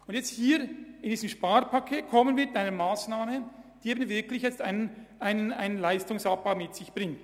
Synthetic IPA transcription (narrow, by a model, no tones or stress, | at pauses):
ʊntjɛt͡sthiːɾɪnd̥iːzəmʃpaːɾpʰakʰeːt̚kʰɔmənviːɐɪtaɪnəmaːsnaːməd̥iːeːbənvɪɐklɪçjɛt͡staɪnaɪnənaɪnənlaɪstʊŋsap̚b̥aʊmɪtsɪçb̥ʁɪŋt